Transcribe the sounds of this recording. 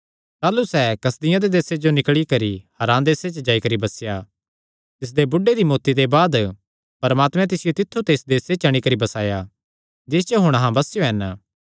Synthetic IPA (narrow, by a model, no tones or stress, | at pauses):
t̪aːlusɛkɐsd̪ɪjãd̪ed̪eːsed͡ʒonɪkɭikɐɾihɐɾãːd̪eːset͡ʃəd͡ʒaːikɐɾibɐsja | t̪ɪs̬d̪ebʊɖːeɾimoːt̪id̪ebaːd̪ | pɐɾəmaːt̪mɛ̃t̪ɪsɪjot̪ɪt̪ʰːut̪eːsd̪eːset͡ʃɐɽ̃ikɐɾibɐsaːja | d͡ʒɪːs̬t͡ʃoɦʊɽ̃ɐɦãbɐsjoɦɛn